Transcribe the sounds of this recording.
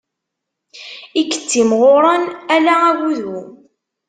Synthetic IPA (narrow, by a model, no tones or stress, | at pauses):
ikːə̥t͡sːimʁoɾˤɑnælææʝuðu